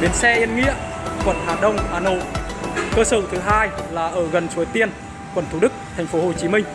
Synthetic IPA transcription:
ɗe˨˦ənsɛ̰˧ʔi˧ənŋḭ˧˥ə | kwə˨˩nhaː˨˩ɗə˧wŋ͡mhaː˧˩no̰˧˨jkəː˧səː˧˩t̪ʰɨ˨˦ɦaː˧jlaː˨˩ʔəː˧˩ɣə˨˩nt͡ɕu˨˦jt̪i˧ən | kwə˨˩nt̪ʰu˧˩ɗɨ˦˥k̚t̪ʰɛ˨˩jŋ̟fo˨˦ɦo˨˩t͡ɕi˨˦mï˧ŋ̟

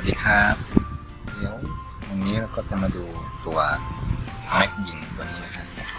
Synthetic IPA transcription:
li˦˧˥kʰaː˧˥˩p̚ | li˧˦ə˦˨w | wa˧nːiː˦˥ɾa˦˥wkɔː˥˩t͡ɕa˧˩maː˧duː˧t̪u˧ɐ | mɛ˦˥k̚ji˨˩ŋt̪u˧ɐniː˦˥na˧˥kʰa˧˩ʔ

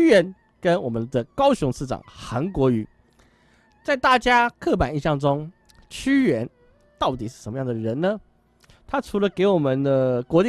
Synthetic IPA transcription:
ɥɛ˧˥n | kə˦nwɔ˨˩mə˦nd̪ə˧kɑ˥ʊɕʊ˧˦˥ŋʂɻ̩˥˩ʈ͡ʂɑ̰˨˩ŋxa˧˥nkwɔ˧˥y˧˥ | t͡sa˥˧ɪt̪a˥˩t͡ɕja˥kʰɤ˥˩pa˨˩ni˥˧ɕjɑ˥˩ŋʈ͡ʂʊ˥ŋ | t͡ɕʰy˥ɥɛ˧˥n | t̪ɑ˥˩ʊt̪i˨˩ʂ̬ɻ̩˥˩ʂə˧˥mə˧jɑ˥˩ŋd̪əə˩ɻə˧˥nnə˧ | t̪ʰa˥ʈ͡ʂʰu˧˥lə˧ke˧˥ɪwɔ˨˩mə˨nd̪ə˧kwɔ˧˥li˥

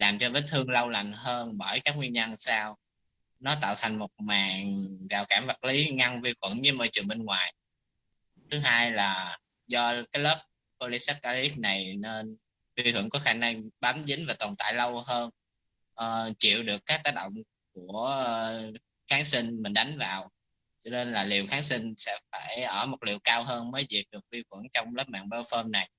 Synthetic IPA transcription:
laː˨˩mt͡ɕɔ˧vəː˨˦jt̪ʰɨ˧əŋlə˧wla˨˩ŋ̟ɦəː˧nɓəː˧˩jkaː˦˥k̚wi˧nɲa˧nsaː˧w | nɔ˨˦t̪a̰ː˧˨wt̪ʰa˨˩jŋ̟mo˨˩t̚maː˨˩ŋvaː˨˩wkaː˧˩mvə˨˩t̚li˨˦ŋa˧ŋvi˧xwə̰˧˩nɲɨ˨˧˦məː˧˩jt͡ɕɨ˨˩əŋɓe˧nŋwaː˨˩j | t̪ʰɨ˨˦ɦaː˧jlaː˨˩ | zɔ˧kaː˨˦jləː˦˥p̚ | ko˧li˨˧˦sɛ˦˥t̚kaː˧li˦˥p̚na˨˩jne˧n | vi˧hɨ̰˧˩ŋkɔ˨˦xaː˧˩na˧ŋɓaː˨˦mzï˨˦ŋ̟vaː˨˩t̪ɔ˨˩nt̪a̰ː˧˨jlə˧wɦəː˧n | ʔəː˨˩t͡ɕḭ˧˨əwɗɨ˨˩əkːaː˦˥k̚t̪aː˦˥ɗə̰˧˨wŋ͡m | ku˧˩əə | xaː˨˦ŋsï˧nmï˨˩ŋ̟ɗa˨˦jŋ̟vaː˨˩w | t͡ɕɔ˧ne˧nlaː˨˩li˨˩əwxaː˨˦ŋsi˧ŋsɛ̰˧˥faː˧˩jʔəː˧˩mo˨˩t̚lḭ˧˨əwkaː˧wɦəː˧nməː˨˦jvi˨˩t̚ɗɨ˨˩ək̚vi˧xwə˧˩nt͡ɕɔ˧wŋ͡mləː˦˥p̚ma̰ː˧˨ŋɓə˧˦wfəː˧mna˨˩j

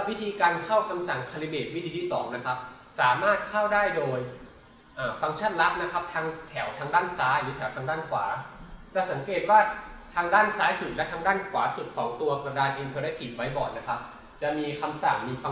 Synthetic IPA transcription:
wi˦˥t̪ʰiː˧kaː˧nkʰa˥˩wkʰa˧msa˨˩ŋkʰa˧li˧˥beː˨˩t̪̚wt̪ʰiː˧t̪ʰi˥˩sɔ̰ː˩˦ŋna˦˥kʰa˦˥p̚ | saː˩˦maː˥˩t̪̚kʰa˥˩wdaː˥˩jdoː˧j | ʔaː˨˩fa˧ŋt͡ɕʰa˥˩nla˦˥ʔ̚na˦˥kʰa˦˥p̚t̪ʰaː˦˥ŋt̪ʰɛ˩˦wt̪ʰaː˧˥ŋdaː˥˩nsaː˦˥jlɯː˩˦t̪ʰɛ˨˩˦wt̪ʰa˧ŋdaː˥˩nkʰwa̰ː˩˦t͡ɕa˨˩sa˩˦ŋkeː˨˩t̪̚waː˥˩t̪ʰaː˧ŋdaː˥˩nsaː˦˥jsu˨˩t̪̚lɛ˦˥t̪ʰaː˧ŋdaː˥˩nkʰwaː˩˦su˨˩t̪̚kʰɔː˩˦ŋt̪u˧ɐkɾa˧daː˧nʔi˧nt̪ʰɤː˧nɛ˦˥t̪ʰi˨˩t̪̚wa˦˥jbɔː˨˩t̪̚na˦˥kʰa˦˥p̚ | t͡ɕa˨˩miː˧kʰa˧msa˨˩ŋmiː˧fa˧

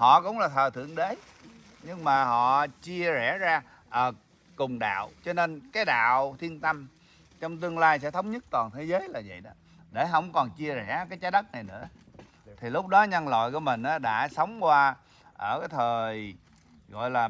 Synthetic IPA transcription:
hɔ̰˧˨kʊ̰˧˥wŋ͡mlaː˨˩t̪ʰəː˨˩t̪ʰɨ̰˧˨əŋɗe˨˦ | ɲɨ˧ŋmaː˨˩hɔ̰˧˨t͡ɕi˧əzɛ˧˩zaː˧ | ʔəː˧˩ | kʊ˨˩ŋ͡mɗa̰ː˧˨wt͡ɕɔ˧ne˧nkaː˨˦jɗa̰ː˧˨wt̪ʰi˧ənt̪ə˧m | t͡ɕɔ˧wŋ͡mt̪ɨ˧əŋlaː˧jsɛ̰˧˥t̪ʰə˨˦wŋ͡mɲə˦˥t̚t̪waː˨˩nt̪ʰe˨˦zəː˨˦jlaː˨˩və̰˧˨jɗɔ˨˦ | ɗe˧˩ɦə˧wŋ͡mkɔ˨˩nt͡ɕi˧əzɛ̰˧˩kaː˨˦jt͡ɕa˨˦jɗə˦˥t̚na˨˩jnɨ̰˧˥ə | t̪ʰi˨˩lʊ˦˥k͡p̚ɗɔ˨˦ɲə˧nlɔ̰˧˨jku˧˩əmï˨˩ŋ̟ʔaː˨˦ɗa̰ː˧˥sə˨˦wŋ͡mkwaː˧ | ʔəː˧˩kaː˨˦jt̪ʰəː˨˩j | ɣɔ̰˧˨jlaː˨˩

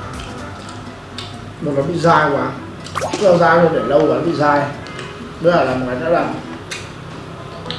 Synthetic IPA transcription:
m̚˨˩laː˨˩ɓḭ˧˨zaː˧˩jkwaː˨˧˦ | lə˧wzaː˧jzo˧ɗe˧˩lə˧wkwaː˨˧˩ɓḭ˧˨zaː˧j | ɓə˨˦aː˧˩laː˨˩m˨ŋaː˨˩nɔ̰˧˥laː˨˩m

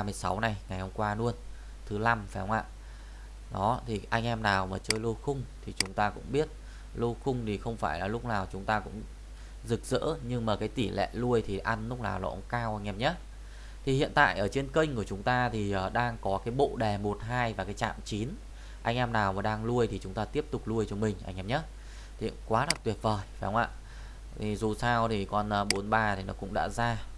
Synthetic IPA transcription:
mɨ˧əjsa˨˦wna˨˩jŋa˨˩jhə˧ŋ͡mkwaː˧nu˧ən | t̪ʰɨ˨˦la˧mfaː˨˦jhə˧wŋ͡mʔa̰ː˧˨ | ɗɔ˨˦t̪ʰi˨˩ʔa˧jŋ̟ʔɛ˧mnaː˨˩wmaː˨˩t͡ɕəː˧jlo˧xʊ˧ŋ͡mt̪ʰi˨˩t͡ɕʊ˨˦ŋ͡mt̪aː˧kʊ̰˧˥ŋ͡mɓi˦˥ət̚ | lo˧xʊ˧ŋ͡mt̪ʰi˨˩xə˧wŋ͡mfaː˧˩jlaː˨˩lʊ˦˥k͡p̚naː˨˩wt͡ɕʊ˨˦ŋ͡mt̪aː˧kʊ̰˧˥ŋ͡m | zɨ˨˩k̚zə̰ː˧˥ɲɨ˧ŋmaː˨˩kaː˨˦jt̪i˧˩lɛ̰˧˨lu˧əjt̪ʰi˨˩ʔa˧nlʊ˦˥k͡p̚la̰ː˨˩wlɔ̰˧˨ʔŋ͡mkaː˧wʔa˧ŋʔɛ˧mɲə˦˥t̚ | t̪ʰi˨˩hḭ˧˨ənt̪a̰ː˧˨jʔəː˧˩t͡ɕe˧nki˧jŋ̟ku˧˩ət͡ɕʊ˨˦ŋ͡mt̪aː˧t̪ʰi˨˩ʔəː˨˩ɗaː˧ŋkɔ˨˦kaː˨˦jɓo̰˧˨ɗɛ˨˩mo˨˩t̚ɦaː˧jvaː˨˩kaː˨˦jt͡ɕa̰ː˧˨mt͡ɕi˨˦n | ʔa˧jŋ̟ʔɛ˧mnaː˨˩wmaː˨˩ɗaː˧ŋlu˧əjt̪ʰi˨˩t͡ɕʊ˨˦ŋ͡mt̪aː˧t̪i˦˥əp̚t̪ʊ˨˩k͡p̚lu˧əjt͡ɕɔ˧mï˨˩ŋ̟ʔa̰˧jŋ̟ʔɛː˧mɲə˦˥t̚ | t̪ʰi˨˩kwaː˨˦la˨˩t̪wi˨˩ət̚vəː˨˩ja˨˩˦hə˧wŋ͡mʔa̰ː˧˨ | t̪ʰi˨˩zu˨˩saː˧wt̪ʰi˨˩kɔ˨˩nəː˨˩ɓo˨˦ənɓaː˧t̪ʰi˨˩nɔ˨˦kʊ̰˧˥ŋ͡mɗa̰ː˧˥zaː˧

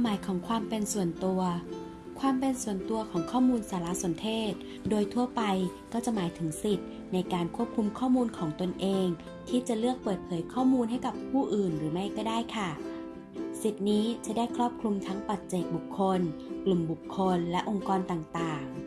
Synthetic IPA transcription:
maː˨˦jkʰɔː˩˦ŋkʰwaː˧mpe˧nsu˨˩ənt̪u˧ɐ | kʰwaː˧mpe˧nsu˨˩ənt̪u˧ɐkʰɔː˨˩˦ŋkʰɔː˥˩muː˧nsaː˨˦la˧˥so˨˩˦nt̪ʰeː˥˩t̪̚ | doː˧jt̪ʰu˧˩ɐpa˧j | kɔː˥˩t͡ɕa˨˩maː˨˦jt̪ʰɯ˩˦ŋsi˨˩t̪̚ | na˧jkaː˧nkʰu˥˩əp̚kʰu˧mkʰɔː˥˩muː˧nkʰɔː˩˦ŋt̪o˧nʔeː˧ŋ | t̪ʰiː˥˩t͡ɕa˨˩lɯ˥˩ək̚pɤː˨˩t̪̚pʰɤː˨˦jkʰɔː˥˩muː˧nhɦa˥˩jka˨˩pʰuː˥˩ʔɯː˨˩nɾɯː˩˦ma˥˩jkɔː˥˩daː˥˩jkʰa˥˩ | si˨˩t̪̚niː˦˥t͡ɕa˨˩da˥˩jkʰɾɔː˥˩p̚kʰlu˧mt̪ʰaː˦˥ŋpa˨˩t̪̚t͡ɕeː˨˩k̪̚bu˨˩kʰːo˧nklu˨˩mbu˨˩kʰːo˧nlɛ˦˥ʔo˧ŋkɔː˧nt̪aː˨˩ŋt̪aː˨˩ŋ

